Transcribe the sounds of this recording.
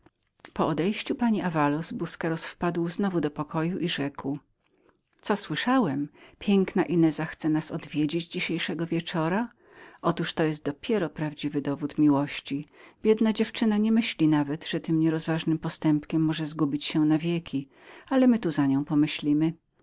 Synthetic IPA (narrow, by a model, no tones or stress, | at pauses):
pɔɔd̪ɛjɕt͡ɕupaɲiʔavalɔsbuskɛɾɔsfpad̪wznɔvud̪ɔpɔkʰɔjuʔiʐɛkw | t̪sɔswɘʂawɛmpʲjɛŋknaʔinɛzaxt̪sɛnasɔd̪vʲjed͡ʑed͡ʑd͡ʑiɕejʂɛɡɔvʲjɛt͡ʂɔɾa | ɔt̪uʂt̪ɔjɛs̬t̪̚d̪ɔpʲjɛɾɔpɾavd͡ʑivɘd̪ɔvut̪mʲiwɔɕt͡ɕibʲjɛd̪nad͡ʑɛft͡ʂɘnaɲɛmɘɕlʲinavɛd̪ʐ̥ɛt̪ɘmɲɛɾɔzvaʐnɘmpɔst̪ɛmpkʲɛmːɔʐɛzɡubʲit͡ɕɕɛnavʲjekʲi | alɛmɘt̪uzaɲɔ̃w̃pɔmɘɕlʲimɘ